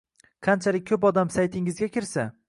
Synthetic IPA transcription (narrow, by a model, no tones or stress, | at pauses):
qʰɑnt͡ʃʰalɪk̚ʲkʰːɵpɒd̪amsajt̪ʰɪŋɪzɡʲakʲʰɪɾsa